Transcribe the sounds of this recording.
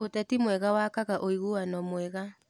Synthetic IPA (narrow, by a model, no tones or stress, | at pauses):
otɛtimwɛɣawaːkaɣaʔoiɣuanɔmwɛɣa